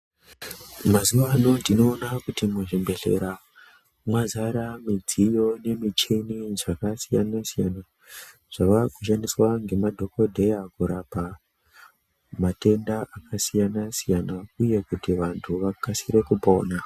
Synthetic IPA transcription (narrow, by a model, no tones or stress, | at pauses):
mazuʋano̞ndino̞ːnakutimuʐimbe̞ɬe̞̰ɾa | mwazaɾamid͡zijo̞ne̞mit͡ʃe̞niʐakasijanasijana | ʐ̥aʋakuʃandiswaŋɡe̞madʱo̞ko̞dʱe̞jakuɾapa | mate̞ndaʔakasijanasijanauje̞kutiʋantʰuʋakasiɾe̞kupo̞ːna